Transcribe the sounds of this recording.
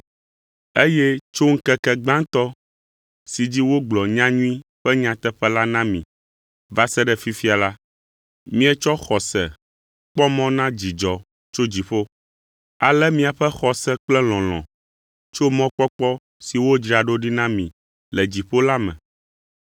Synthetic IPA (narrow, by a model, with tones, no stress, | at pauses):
e˦jɛ˦t͡ʃo˦ŋ̩˦kɛ˦kɛ˨ɡ͡bã˦ŋt̪ɔ˦ | si˨d͡ʑi˦wo˦ɡ͡blɔ˨ɲã˦ɲũ˦ĩ˦ɸɛ˦ɲã˨t̪ɛ˦ɸɛ˦la˦nã˦mĩ˨ | va˦sɛ˦ɖɛ˨fi˦fi˦a˨la˦ | mĩ˦ɛ˦t͡ʃɔ˦xɔ˨sɛ̰˨ | k͡pɔ˦mɔ̃˦nã˦d͡ʑi˨d͡ʒɔ˨ | t͡ʃo˦d͡ʑi˨ɸo˦ | a˨lɛ˦mĩ˦a˨ɸɛ˦xɔ˨sɛ˦k͡plɛ˦l̃ɔ̃˨l̃ɔ̰̃˨ | t͡ʃo˦mɔ̃˦k͡pɔ˦k͡pɔ˦ | si˨wo˦d͡ʒɾi˨a˨ɖo˦ɖi˦nã˦mĩ˨ | lɛ˨d͡ʑi˨ɸo˦la˦mɛ̰̃˨